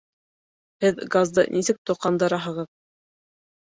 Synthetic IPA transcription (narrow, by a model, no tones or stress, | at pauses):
hɘðɡazd̪ɤ̰nʔisɘk̚t̪ŏqːɑnd̪ɤ̆ɾɑɦɤ̆ʁɤð